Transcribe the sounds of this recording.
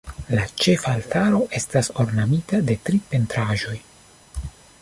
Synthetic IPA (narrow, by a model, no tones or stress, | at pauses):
lat͡ʃe̞faltaɾo̞ʔe̞staso̞ɾnamitade̞tɾipe̞ntɾaʒo̞j